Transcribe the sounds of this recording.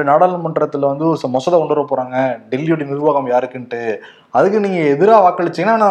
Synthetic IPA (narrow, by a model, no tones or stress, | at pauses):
naːɽɐːlnɯmɐɳɖɪɾɐt̪ːɯlʋɐnd̪ɯɔɾɯsmɔsɐðɐɔɳɖɯɾɐpːoːɾaːŋɡɐɖɛlːjɔɽinɪɾɯʋaːɣɐmjaːɾɯkːɯnʈːɯ | ɐðɯkːɯniːŋɡɐɛðɯɾaːʋaːkːɐɭɪt͡ʃːɪŋɡɐnaːnãː